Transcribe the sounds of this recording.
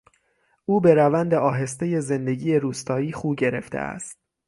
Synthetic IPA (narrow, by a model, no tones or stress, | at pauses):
ʔuːbe̞ɾævænd̪eɒːɦe̞st̪eje̞ze̞nd̪e̞ɟiːje̞ɾuːst̪ʰɒːiːχuːɟe̞ɾe̞ft̪ʰḛʔæ̰st̪̚